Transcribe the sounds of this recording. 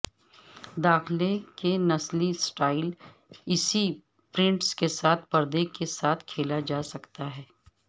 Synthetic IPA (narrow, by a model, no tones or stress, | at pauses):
d̪aːxlekenɐslisʈaːɪl | ɪsi | pɾɪ̃ɳʈskesaːt̪ʰpɐɾd̪ekesaːt̪ʰkʰeːlad͡ʒaːsɐkt̪aɦɛː